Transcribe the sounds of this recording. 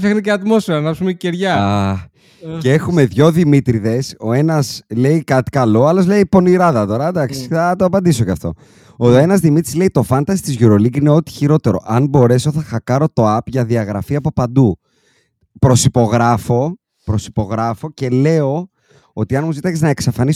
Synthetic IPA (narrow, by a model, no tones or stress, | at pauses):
fexneceɐt̪mo̞sfeɾɐnɐpsumeiceɾʝɐɐ | cee̞xume̞ðʝo̞ðimit̪ɾiðe̞so̞e̞nɐsle̞ikɐt̪i̥kɐlo̞ɐlo̞zle̞ipo̞niɾɐðɐt̪o̞ɾɐd̪ɐksi̥θɐt̪oɐpɐnd̪isocɐft̪o̞̰ | oe̞nɐzðimit̪ɾisle̞it̪o̞fɐnt̪ɐsi̥t̪izʝuɾo̞liɡineo̞t̪i̥çiɾo̞t̪e̞ɾo̞̰ʔɐnbo̞ɾe̞soθɐxɐkɐɾo̞t̪o̞ɐpʝɐðiɐɣɾɐfiɐpo̞pɐnd̪u | pɾo̞sipo̞ɣɾɐfo̞ | pɾo̞si̥po̞ɣɾɐfo̞ce̞le̞o̞ | o̞t̪iɐnmuzit̪ɐkiznɐeksɐfɐnis